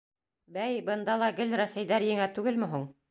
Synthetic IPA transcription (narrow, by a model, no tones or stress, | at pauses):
bæjbɤ̆nd̪ɑlˠɑɡɘlɾæsæjðæɾjɘ̆ŋæt̪ʉɡɘlmɘ̆ɦuɴ